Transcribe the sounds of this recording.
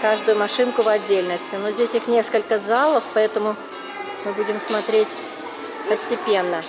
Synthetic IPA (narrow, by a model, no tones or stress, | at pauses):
kaʐd̪ʊjʊmɐʂɨnkʊvɐdʲːelʲnəsʲtʲɪnozʲdʲesʲɪxnʲe̞skəlʲkəzalˠəfpɐɛt̪əmʊ | mɨbudʲɪmsmɐt̪ɾʲetʲ | pəsʲtʲɪpʲe̞nːə